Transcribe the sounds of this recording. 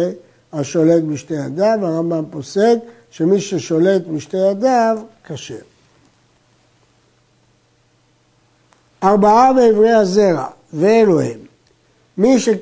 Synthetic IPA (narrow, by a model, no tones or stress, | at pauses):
e | haʃo̞le̞t̪miʃnejad̪avaʁambampo̞sed̪ | ʃemiʃeʃo̞le̞t̪miʃtejad̪avkaʃe | ʔaʁbaabeːvʁejhazeʁa̰ | veːloḭmː | iʃek